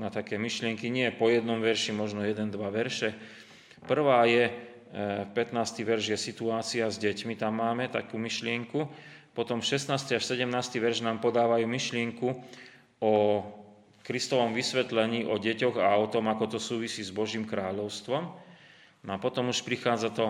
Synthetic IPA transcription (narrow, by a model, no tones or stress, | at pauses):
nat̪akɛːmiʃlɪɛŋkiɲɪɛpɔjɛd̪nɔmʋɛɾʃimɔʒnɔjɛd̪ɛnd̪ʋaʋɛɾʃɛ | pr̩ʋaːjɛ | pɛt̪naːst̪iʋɛɾʒjɛsit̪uaːt͡siazɟɛcmit̪amːaːmɛt̪a̰kuːmiʃlɪɛŋku | pɔt̪ɔmfʃɛsnaːst̪iaʃsɛɟɛmnaːst̪iʋɛɾʒnaːmpɔd̪aːʋajuːmiʃlɪɛŋku | ɔ | kɾist̪ɔʋɔmʋisʋɛt̪lɛɲiːʔɔɟɛcɔɣaɔt̪ɔmakɔt̪ɔsuːʋisiːzbɔʒiːmkɾaːʎɔʊst̪ʋɔm | nɔapɔt̪ɔmuʃpɾixaːd͡zat̪ɔ